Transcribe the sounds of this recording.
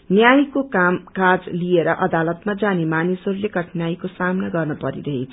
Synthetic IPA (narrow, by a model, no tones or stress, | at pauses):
njajkokamkad͡zlieɾʌʔʌd̪alʌt̪mad͡zanemanisʌɾuleɡʌʈʰnajkosamnaɡʌrnʌpʌɾḭɾʌɦet͡sʰ